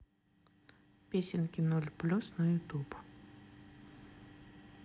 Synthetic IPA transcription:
pʲesʲɪnkʲɪnɔlʲplʲusnɐjʊt̪up

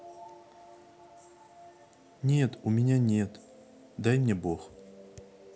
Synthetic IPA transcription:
nʲe̞t̪ʊmʲɪnʲanʲe̞t̪ | d̪ajmʲnʲebox

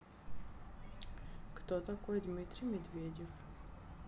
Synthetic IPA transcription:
kt̪ot̪ɐkʷojd̪mʲit̪rʲijmʲed̪vʲedʲef

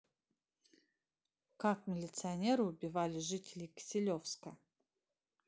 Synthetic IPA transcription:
kakmʲɪlʲɪt̪sɨɐnʲeɾɨʊbʲɪvalʲɪʐɨtʲɪlʲɪkʲɪ̥sʲɪlʲofskə

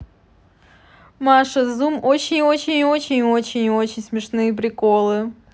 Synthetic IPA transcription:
maʂəzumot͡ɕɪnʲot͡ɕɪnʲot͡ɕɪnʲɪot͡ɕɪnʲo̞t͡ɕɪnʲsmʲɪʂnɨjəp̬ɾʲɪkolˠɨ

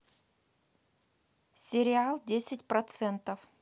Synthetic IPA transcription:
sʲɪɾʲɪalˠdʲesʲɪtʲpɾɐt̪sɛnt̪əf

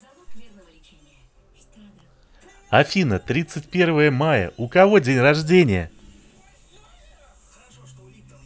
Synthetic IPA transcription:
ɐfʲinət̪ɾʲit̪sɨtʲpʲe̞rvəjəmajə̰ʔʊkɐvodʲenʲrɐʐdʲenʲɪjə̰

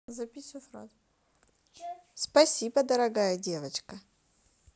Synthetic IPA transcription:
zɐpʲisʲufɾa̰z | spɐsʲibəd̪ɐɾɐɡajədʲe̞vət͡ʃkə

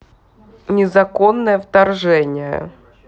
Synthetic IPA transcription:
nʲɪzɐkonːəjəft̪ɐrʐɛnʲɪjə̰

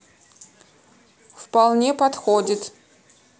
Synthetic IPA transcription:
fpalˠnʲepɐt̪xodʲɪt̪

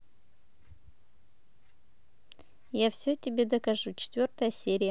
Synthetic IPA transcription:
jafsʲotʲɪbʲed̪ɐkɐʐut͡ʃʰɪ̥t̪vʲo̞rt̪əjəsʲe̞ɾʲijə

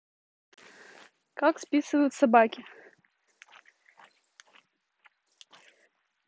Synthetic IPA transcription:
kakspʲisɨvɐjut̪sabakʲi

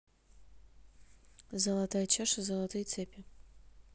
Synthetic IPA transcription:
zəlˠɐt̪ajɐt͡ɕaʂəzəlˠɐt̪ɨjt̪sɛpʲɪ

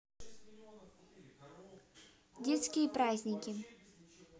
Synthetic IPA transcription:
dʲet̪skʲɪjəpɾazʲnʲɪkʲɪ

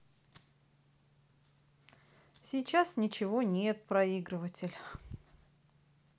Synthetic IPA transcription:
sʲit͡ɕasnʲɪt͡ɕɪvonʲet̪̚pɾɐiɡɾɨvətʲɪlʲ

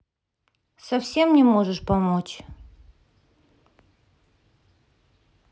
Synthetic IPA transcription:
sɐfsʲe̞mnʲɪmoʐəʂpɐmot͡ɕ

